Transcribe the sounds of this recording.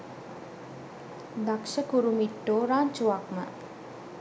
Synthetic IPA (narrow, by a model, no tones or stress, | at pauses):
d̪akʃəkuɾumiʈːoːɾaːɲt͡ʃuʋakmə̰